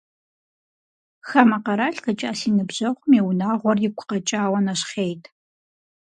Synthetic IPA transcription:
xamɐqɐɾaːɬkɐt͡ʃʼaːsiːnɨbʑɐχʷʊmeːwʊnaːʁʷɔrjɪkʷʰʼʊ̥qɐt͡ʃʼaːwɐnɐɕχejtʰ

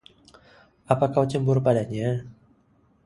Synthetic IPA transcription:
apakawt͡ʃəmbʊrpadaɲa

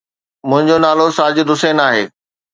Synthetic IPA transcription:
mʊ̃ɦɪ̃ɲd͡ʑonaːlosaːd͡ʑʊd̪ʊseːnaːɦeː

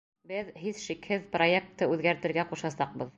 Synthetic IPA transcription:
bɘðɦiðʃikhɘðproek̚t̪ːɤʉðɡæɾt̪ɘ̆ɾɡæquʃɑsɑq̚bɤð

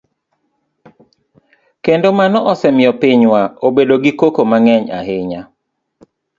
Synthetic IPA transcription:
kendomanɔʔɔsɛmɪɔpiɲwaobedoɡikokomaŋɛɲa̰ɦɪɲa

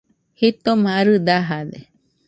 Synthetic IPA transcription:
hit̪omãaɾɯd̪aɦad̪e

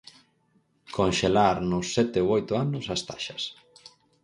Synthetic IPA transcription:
kʰonʃelaɾnʊsːɛt̪eoojt̪ʊanʊsast̪a̰ʃɐs

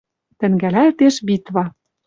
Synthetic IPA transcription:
t̪ɘ̆ŋɡælælt̪eʃbit̪βɑ

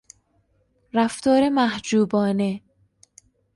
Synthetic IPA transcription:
ræft̪ʰɒːɾe̞mæhd͡ʒuːbɒːne̞

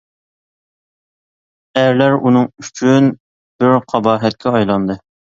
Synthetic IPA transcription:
æɾlæɾunɨŋyt͡ʃʰyn | b̥ɪɾqʰɑbɑːɦɛt̪̚kʲʰɛɑjlˠɑnd̪ɨ

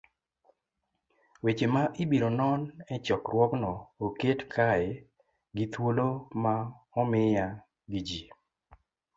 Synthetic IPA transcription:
wet͡ʃemaʔɪbiɾonɔnɛt͡ʃɔkrwɔknɔoketkʰaɛ | ɡit̪woloma | ɔmɪja | ɡid͡ʒi

